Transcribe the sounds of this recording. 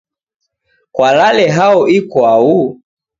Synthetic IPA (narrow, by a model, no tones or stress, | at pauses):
kwalalɛɦaɔʔikwau